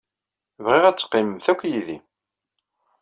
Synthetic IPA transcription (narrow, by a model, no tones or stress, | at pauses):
vʁɪʁæt͡sːqːiməmθækʷːjiðḭ